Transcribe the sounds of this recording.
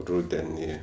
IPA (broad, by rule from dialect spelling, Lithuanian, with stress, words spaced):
ˈrʊdʲɛnʲiː